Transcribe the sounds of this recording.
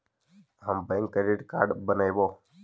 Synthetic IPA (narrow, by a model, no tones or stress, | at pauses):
ɦəmbẽːŋkːəɖeːʈka̰ːɾɖbənaːjʋoː